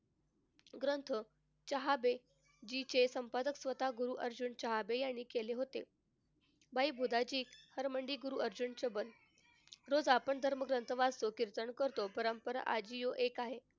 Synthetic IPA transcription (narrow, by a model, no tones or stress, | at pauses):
ɡɾənt̪ʰə | t͡ɕəɦabe | d͡ʑit͡ɕesəmpad̪əksʋət̪aɡuɾuʔəɾd͡ʑuɳt͡ɕəɦabejaɳ̃iːkeleɦot̪ḛ | bʱaibʱud̪ʱad͡ʑiːkhəɾməɳɖiːɡuɾuəɾd͡ʑuɳt͡ɕəbən | ɾod͡zapəɳd̪ʱəɾməɡɾənt̪ʰəʋast̪okiɾt̪əɳkəɾt̪opəɾəmpəɾa̰ʔad͡ʑijoʔekaɦe